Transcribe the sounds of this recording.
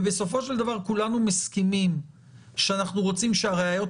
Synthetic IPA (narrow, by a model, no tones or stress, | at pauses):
beso̞fo̞ʃeld̪avaʁkulanumeskimim | ʃeanaχnuʁo̞t͡simʃeaʁeajo̞t